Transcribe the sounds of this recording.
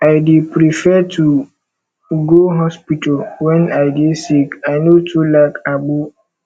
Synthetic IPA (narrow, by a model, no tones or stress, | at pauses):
aɪdipʰɾifɛtʰu | ɡoɦɔspitʰalwɛ̃naɪdesikaɪnotʰulakʰaɡ͡bu